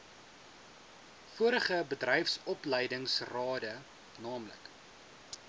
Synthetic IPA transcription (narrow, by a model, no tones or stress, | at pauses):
fuəɾəχəbədrɛjfsɔplɛjdəŋsrɑːdə | nɑːmlə̰k